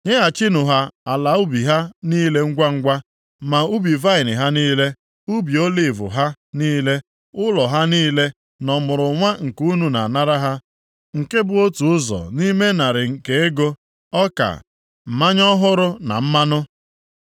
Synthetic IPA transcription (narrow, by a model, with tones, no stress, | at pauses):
ɲe˦a˨t͡ʃi˦nʊ˨ɦa˦a˨la˨u˦bi˨ɦa˦niː˦le˦ŋ̩˦ɡʷa˦ŋ̩˦ɡʷa˦ | ma˨u˦bi˨va˦ɪ˨nɪ̰˨ɦa˦niː˦le˦ | u˦bi˨o˦li˨vʊ̰˨ɦa˦ | niː˦le˦ | ʊ˦lɔ˨ɦa˦niː˦le˦ | nɔ˨mʊ˨ɾʊ˨ŋʷa˦ŋ̩˨ku˦nu˨na̰˨na˦ɾa˦ɦa˦ | ŋ̩˨ke˦bʊ˨o˦tu˨ʊ˦zɔ̰˨ni˦me˦na˨ɾɪ˨ŋ̩˨ke˨˦e˦ɡo˦ | ɔ˦ka̰˨ | m̩˨ma˦ɲɔ˦ɦʊ˦ɾʊ˦na̰˨m̩˦ma˦nʊ˦